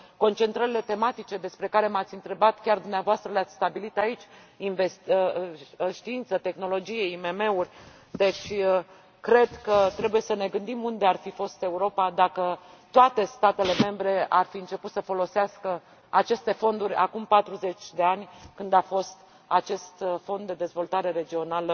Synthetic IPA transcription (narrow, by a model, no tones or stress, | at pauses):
ko̞nt͡ʃe̞nt̪ɾəɾʲile̞t̪e̞mat̪it͡ʃe̞d̪e̞spɾe̞kaɾe̞mat̪sʲɨnt̪ɾe̞bat̪kʲard̪umneavoast̪ɾəleat̪sʲst̪abilit̪ait͡ʃʲ | inve̞st̪ | ʃt̪iint̪sət̪e̞xno̞lo̞d͡ʒijeime̞me̞urʲ | d̪e̞t͡ʃʲ | kɾe̞d̪kət̪ɾebuje̞səne̞ɡɨnd̪imund̪earfifo̞st̪e̞uɾo̞pad̪akət̪oat̪e̞st̪at̪e̞le̞me̞mbɾe̞arfiɨnt͡ʃe̞put̪səfo̞lo̞seaskə | at͡ʃe̞st̪e̞fo̞nd̪uɾʲa̰kumpat̪ɾuze̞t͡ʃʲd̪e̞anʲkɨnd̪afo̞st̪ | at͡ʃe̞st̪fo̞nd̪ːe̞d̪e̞zvo̞lt̪aɾe̞ɾe̞d͡ʒio̞nalə